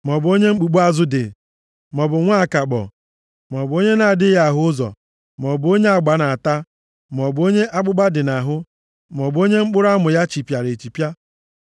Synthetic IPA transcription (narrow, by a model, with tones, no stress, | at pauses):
mɔ˨bʊ˨o˦ɲe˦ŋ͡m̩˦k͡pu˨ɡ͡bu˦a˦zʊ˦dɪ̰˨ | mɔ˨bʊ˨ŋʷa˦˨ka˨k͡pɔ̰˨ | mɔ˨bʊ˨˦o˦ɲe˦na˨dɪ˦ja˨ɦʊ˦ʊ˦zɔ̰˨ | mɔ˨bʊ˦o˦ɲe˦a˨ɡ͡ba˨na˨a˨ta˦ | m˨ɔ˨bʊ˨˦o˦ɲe˦ʔa˦k͡pʊ˦ɡ͡ba˦dɪ˨na˨ɦʊ˦ | mɔ˨bo˦ɲe˦ŋ͡m̩˦k͡pʊ˦ɾa˦mʊ˨ja˦t͡ʃi˨pja˨ɾe˨t͡ʃi˨pja˦